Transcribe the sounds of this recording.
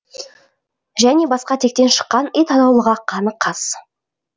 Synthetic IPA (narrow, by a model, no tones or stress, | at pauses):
ʒæne̞bɑsqɑt̪ʰe̞k̚t̪e̞nʃə̥qːɑnəjt̪ʰɑnɑwlˠəʁɑqʰɑnəqʰɑs